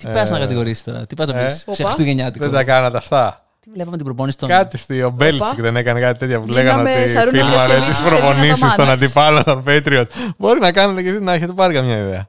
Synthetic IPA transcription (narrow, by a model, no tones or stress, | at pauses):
t̪ipɐznɐkɐt̪iɣo̞ɾisi̥t̪oɾɐ̰t̪ipeɐznɐesst̪uʝeɲɐt̪iðend̪ɐkɐnɐt̪eɐft̪ɐ | ilepɐmet̪ibɾoponist̪okɐt̪ist̪iobelsscðenekɐnekɐt̪it̪e̞t̪çɐpuleɣɐnot̪ifilmɐɾest̪isispɾopo̞nisist̪onɐnd̪ipɐlot̪opet̪ɾiot̪̚bo̞ɾinɐkɐnɐt̪ecesinɐeçet̪epɐɾikɐmɲɐiðeɐ